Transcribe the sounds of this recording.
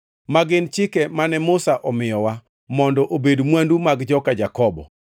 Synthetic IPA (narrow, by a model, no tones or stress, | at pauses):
maɡɪnt͡ʃɪkɛmanɛmʊsaʔɔmɪjɔwa | mɔndɔʔobedmwandumaɡd͡ʒɔkad͡ʒakɔbɔ̰